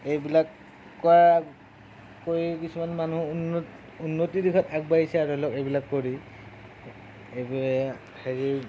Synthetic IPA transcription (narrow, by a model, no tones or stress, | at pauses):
ejbilakː | ɔa | oɹikisumanmanunt | unːotidikʰɔtaɡ̚bajisɛaɹuɛlɔkejbilakːoɹi | eb | heɹi